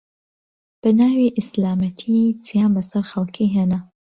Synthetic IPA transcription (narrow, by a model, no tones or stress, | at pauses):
b̥ɐnaːwiʔɪslaːmɐt̪ʰit͡sijaːnbɐsɐɾxɐlˠkʰiɦeːna